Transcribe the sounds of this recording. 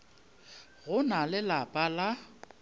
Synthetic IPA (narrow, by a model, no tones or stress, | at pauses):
ɣʊnalɪlapʼala